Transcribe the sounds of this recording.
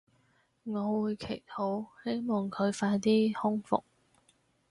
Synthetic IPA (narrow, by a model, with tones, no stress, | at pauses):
ŋɔː˨˧wuː˨˧jkʰe˨˩jhʰo˨˥whe˥jmɔː˨˩ŋkʰɵ˨˧ɥfaː˧jt̪iː˥hʊ˥ŋfʊ̰˨k̚